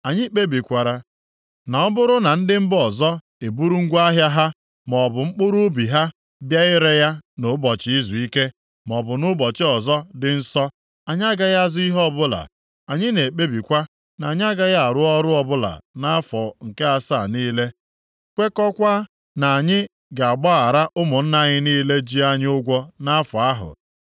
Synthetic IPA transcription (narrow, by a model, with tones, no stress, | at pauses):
a˨ɲɪ˦k͡pe˦bi˨kʷa˨ɾa˨ | na˨ɔ˦bʊ˦ɾʊ˦na˨n̩˦dɪ˦m̩˦bɔ˨zɔ˦ | e˨bu˦ɾu˦ŋ̩˦ɡʷa˦ɦja˦ɦa˦ | mɔ˨bʊ˨ŋ͡m̩˦k͡pʊ˦ɾu˦bi˨ɦa˦ | dja˦ɪ˦ɾe˦ja˦no˨˦bɔ˨t͡ʃɪ˦i˦zu˨i˦ke˦ | m˨ɔ˨bʊ˨nʊ˦bɔ˨t͡ʃɪ˦ɔ˨zɔ˦dɪ˦n̩˦sɔ˦ | a˨ɲ˦a˦ɡa˦ja˦zʊ˦i˦ɦɔ˦bʊ˦la̰˨ | a˨ɲɪ˦ne˨k͡pe˦bi˨kʷa˦ | na˨ɲɪ˦a˦ɡa˦ja˦a˨ɾʊ˦ɔ˦ɾʊ˦ɔ˦bʊ˦la̰˨na˦fɔ˨ŋ̩˨ke˦a˦sa˦˨niː˦le˦ | kʷe˦kɔ˦kʷa˦ | na˨ɲɪ˦ | ɡa˨a˨ɡ͡ba˦a˨ɾa˦ʔʊ˦mʊ˨n̩˦na˦ɲɪ˦niː˦le˦d͡ʒi˦a˦ɲ˦ʊ˦ɡʷɔ˦na˦fɔ˨a˦ɦʊ̰˨